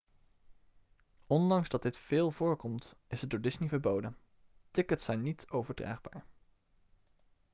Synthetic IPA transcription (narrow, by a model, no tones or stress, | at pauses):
ɔndɑŋzdɑd̚dɪtfɪːlˠvʊːɹkɔmtɪsɦət̚doːɹdɪsnivəɹbowdən | tɪkətsɛjnitowvəɹdra̰ːχba̰ːɹ